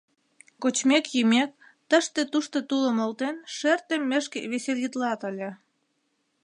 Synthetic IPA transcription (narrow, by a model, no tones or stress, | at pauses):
kot͡ɕmekjymek̚ | t̪əʃt̪ĕt̪uʃt̪ot̪uləmolt̪enʃert̪emːeʃkeβeseljit̪lɑt̪əlʲĕ